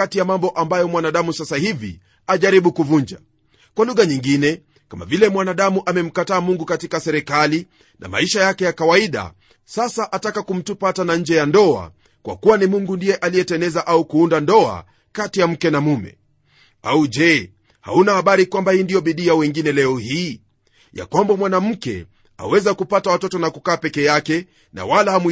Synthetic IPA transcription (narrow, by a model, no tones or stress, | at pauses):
atijamambɔʔambajɔmwanaɗamusasahivḭ | aʄaɾiɓukuvuɲd͡ʒa | kwaluɣaɲiŋɡinɛ | kama̰vilɛmwanaɗamuʔamɛm̩kataːmuŋɡukatikasɛɾɛkali | na̰ma̰iʃajakɛjakawaiɗa̰ | sasaʔatakakum̩tupatanaɲ̩d͡ʒɛjandɔa̰ | kwa̰kuwanimuŋɡundijɛʔalijɛtɛnɛzaʔaukuundandɔa̰ | katijam̩kɛnamumɛ̰ | aud͡ʒɛ | ha̰unahaɓaɾikwambahiːndijɔɓiɗiawɛŋɡinɛlɛɔhiː | ja̰kwambamwanam̩kɛ̰ | a̰wɛzakupatawatɔtɔnakukaːpɛkɛjakɛ | na̰walaham